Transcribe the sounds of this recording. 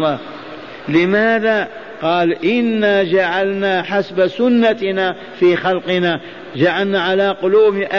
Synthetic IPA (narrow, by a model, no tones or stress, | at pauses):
a | lɪmaːða | qɑːlʔɪnːad͡ʒaʕalnaːħasbasʊnːana | fiːxalqɨna | d͡ʒaʕalnaʕalaqʊluːmʔa